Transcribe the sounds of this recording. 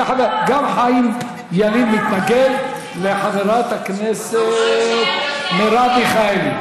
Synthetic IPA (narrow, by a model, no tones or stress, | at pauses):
ħaveɡamχaim | jalimːit̪naɡed | leħaveɾat̪hakneset̪leɾabiχam